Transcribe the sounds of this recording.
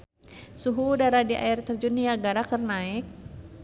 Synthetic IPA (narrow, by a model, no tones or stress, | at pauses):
suɦudaɾadiʔa̰irt̪ərd͡ʒuniaɡaɾakərnaɪk̚